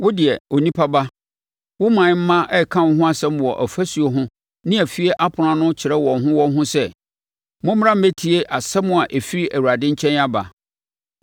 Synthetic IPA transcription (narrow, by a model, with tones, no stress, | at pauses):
wʊ˦dɪ˨ɛ˨o˨nĩ˦pʰa˦ba˦ | wʊ˦mã˨ɲ˦m̩˦mã˦ʔɛ˦˨kʰã˦wɦʊ̃˦a˨sɛ̃˦m˨wɔ˨ʔæ˨fæ˦su˨o˨ɦʊ̃˦ | nɪ̃˦æ˨fi˦e˦ʔa˦pʰʊ˨ɾã˨nʊ̃˦t͡ɕʰɪ˨ɾɛ˦wɔ̃˨nɦʊ̃˦wɔ̃˦n˦ɦʊ̃˦sɛ˦ | mʊ̃˦m˦ɾã˦m̩˦me˦tʰi˨e˦ʔa˨sɛ˦mʊ̃˨a˨ʔe˨fi˦ɾi˦ʔæ˨wu˨ɾa˨dɪ̃˦ɲ̩˦t͡ɕʰɛ̃˦na˦ba̰˨